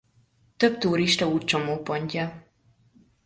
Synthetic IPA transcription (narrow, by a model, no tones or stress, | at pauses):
t̪ø̞bt̪uːɾiʃt̪ɒuːt̪̚t͡ʃo̞moːpo̞ɲcɒ